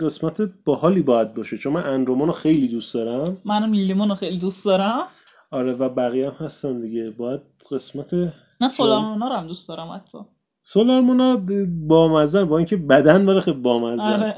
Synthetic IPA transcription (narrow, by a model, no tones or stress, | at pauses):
ɢe̞smæt̪ʰeb̥ɒhɒːliːbɒːjæd̪̚bɒːʃet͡ʃʰonmænʔænɾomonɑxe̞jliːd̪ust̪d̪ɒɾæmmænæmilːimonɔxejlid̪ust̪d̪ɒɾæm | ɒɾevæbæɣijæmhæst̪ænd̪iɟe̞bɒːjæd̪̥̚ | ɢe̞smæt̪ʰe | næsolɒɾmonɒɾæmd̪ustd̪ɒːɾæmæ̰t̪ʰːɒ̰ | solɒɾmonɒbɒːmæzænbɒːiːŋcʰe̞bæd̪ænbɒɾexebɒːmæzæɾe